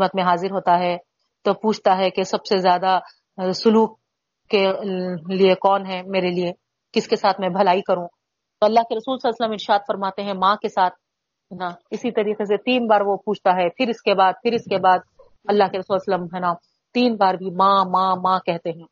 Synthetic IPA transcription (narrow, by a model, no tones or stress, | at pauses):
mət̪mẽɦaːzɪɾɦoːt̪aɦɛ | t̪opuːt͡ʃʰt̪aɦɛkesɐbsezjaːd̪a | sʊluːk̚ | kːe | liekɔːnɦɛmeːɾelie | kɪskesaːt̪ʰmɛ̃bʱɐlaːikɐɾũ | t̪oɐlːaːɦkeɾɐsuːlsɐlaːsələmɪɾʃaːd̪fɐɾmaːt̪eɦɛ̃mãːkesaːt̪̚ʰ | ɦnaɪsit̪ɐɾiːqes̬et̪iːnbaːɾʋopuːt͡ʃʰt̪aɦɛpʰɪɾɪskebaːd̪̚pʰɪɾɪskebaːd̪̚ | ɐlːaːɦkeɾɐsuːlsəlːəmɦɛːna | t̪iːnbaːɾbʱimãːmãːmãːkɛɦt̪eɦɛ̃ː